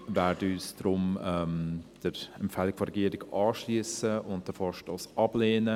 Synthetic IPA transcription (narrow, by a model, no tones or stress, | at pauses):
vɛːɾdəyːsd̥ɾʊmɛmd̥əɾɛmpfɛlɪkfɔɾɛɡiəɾɪɡɑːʃliəsəʊnt̚d̥əfɔʃtɑsɑb̥leːnə